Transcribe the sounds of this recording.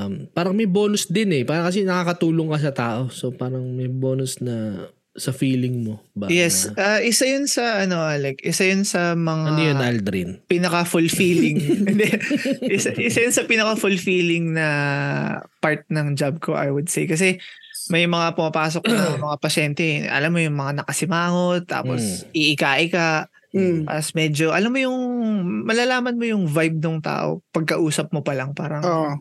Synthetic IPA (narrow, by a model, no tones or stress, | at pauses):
mpaːɾɐŋmɐjboːnʊsd̪ɪnɛpaːɾɐkɐs̬ɛnɐkaːkɐt̪uːloŋkɐs̬ɐt̪aːʔo̞so̞paːɾɐŋmɐjbo̞ːnʊsnɐ | sɐfiːlɪŋmobajɛsʔaʔɪsɐjʊnsɐʔɐno̞ʔalɛkʔɪsɐjʊnsɐmɐŋaɐnojonʔald̪ɾɪnpɪnɐkɐfʊlfiːlɪŋɛnd̪ɛʔɪsaʔɪsajʊnsɐpɪnɐkɐfʊlfiːlɪŋnɐ | paɹt̪̚nɐŋd͡ʒab̚ko̞̰ʔa̰jwʊd̪̚sɛjkɐs̬ɛ | mɐjmɐŋapʊmɐpaːsok̚nɐmɐŋapɐʃɛnt̪ɛʔɐ̰lamːo̞jʊŋmɐŋanɐkɐsɪmaːŋot̪ːa̰ːposʔɪʔɪkaːʔɪkaʔ | ɐsmɛːd͡ʒoʔɐlamːojʊŋmɐlalaːmɐnmojʊŋvajb̚noŋt̪a̰ːʔo̰pɐɡ̚kɐʔuːsɐp̚mopɐlɐŋpaːɾɐo